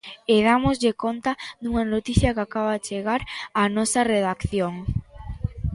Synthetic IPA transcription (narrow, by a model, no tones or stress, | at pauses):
eð̞amozʎɪkont̪aðuŋanot̪iθjɐkakaβaðet͡ʃeɣaɾanɔsɐreðakθjoŋ